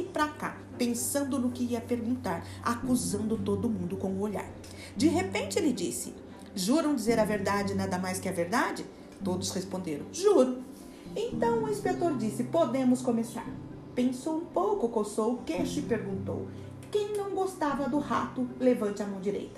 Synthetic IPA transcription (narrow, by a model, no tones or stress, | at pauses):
pɾaka̰ | pẽsɐ̃nd̪ʊnʊkɪiɐpeɾɡũnt̪aɾ | a̰kuzɐ̃nd̪ʊt̪od̪ʊmũnd̪ʊkõw̃ʊoʎa̰ɾ | d͡ʒɪɦepẽnt͡ʃɪelɪd͡ʒisɪ̥ | ʒuɾɐ̃w̃d͡ʒizeɾɐveɾd̪ad͡ʒɪnad̪ɐmajskɪɐveɾd̪ad͡ʒɪ | t̪od̪ʊshespõnd̪eɾɐ̰̃w̃ʒuɾɐ̃w̃ | ẽnt̪ɐ̃w̃ʊĩspet̪oɾd͡ʒisɪpod̪ẽmʊskomesa̰ɾ | pẽsowũpowkʊkosowkeʃɪpeɾɡũnt̪o̰w | kẽj̃nɐ̃w̃ɡost̪avɐd̪ʊha̰t̪ʊlevɐ̃nt͡ʃɪɐmɐ̃w̃d͡ʒiɾḛjt̪ɐ̥